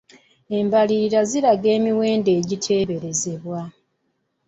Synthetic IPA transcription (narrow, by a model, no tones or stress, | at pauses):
e̞mbaliːɾaziɾaɡe̞ːmiwe̞ːnde̞ːɟitʰe̞ːβe̞ɾeze̞βwa